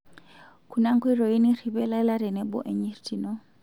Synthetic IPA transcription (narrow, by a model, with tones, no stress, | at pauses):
kʰu˨na˦ŋ̩˦kʰwɛ˦ɾɔ˨i˦ni˦ri˨bɛ˦la˦la˦ɾɛ˨nɛ˦bɔ̰˦ʔɛ˨ɲi˦ɾti˨nɔ˦